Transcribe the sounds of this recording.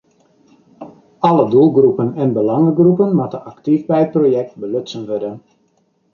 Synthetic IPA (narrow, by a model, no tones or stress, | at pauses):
ɑlədulˠɡrupənɛnbəlɑŋəɡrupənmatəaktifbɛjət̚projɛk̚t̚bəløtsənʋødən